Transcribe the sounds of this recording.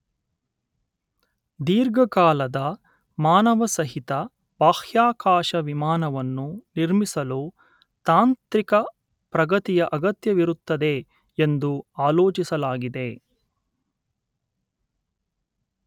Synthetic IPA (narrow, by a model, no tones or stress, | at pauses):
d̪iːɾɡɐkaːlɐd̪ɐ | maːnɐʋɐsɐɦit̪ɐ | baːhjaːkaːʃɐʋimaːnɐʋɐnːuniɾmisɐlu | t̪aːnt̪ɾikɐ | pɾɐɡɐt̪ijɐʔɐɡɐt̪jɐʋiɾut̪ːɐd̪e̞ | end̪uaːloːt͡ʃisɐlaːɡid̪e̞